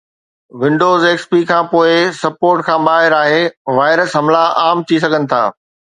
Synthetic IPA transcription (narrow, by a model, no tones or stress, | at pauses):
ʋɪ̃ɳɖoːzeːkspikʰãːpoːɪsɐpoːɾʈkʰãːɓaːɦɪɾaːɦeːʋaːɪɾəsɦɐmlaʔaːmt̪ʰis̬ɐɡʱənɪ̆t̪ʰa̰ː